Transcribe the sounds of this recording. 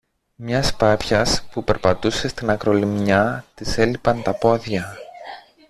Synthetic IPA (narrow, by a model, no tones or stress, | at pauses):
mɲɐspɐpçɐspupe̞ɾpɐt̪use̞st̪inɐkɾo̞limɲɐt̪ise̞lipɐnt̪ɐpo̞ðjɐ